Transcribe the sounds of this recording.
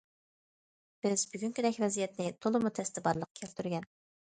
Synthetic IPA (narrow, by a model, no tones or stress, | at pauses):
b̥ɪzbyɡʲyŋkʲyd̪ɛkʲvɛzijɛt̪nɪt̪ʰolˠɨmut̪ʰɛst̪ɪbɑɾlˠəqkʲʰelt̪ʰyɾɡʲɛn